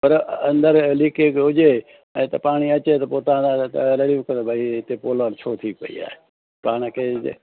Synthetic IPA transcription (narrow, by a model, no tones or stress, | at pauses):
pəɾənd̪əɾlɪkʰeːkɦʊd͡ʒeː | ɛ̃ːt̪ɐpaːɽ̃iːət͡ʃeːt̪ɐpoːt̪ãːaləɽijũkənd̪obʱaːit̪eːpoːlaːnt͡ʃʰoːt̪ʰiːpə̰ḭːa̰ːe | paːɳ̃kḛː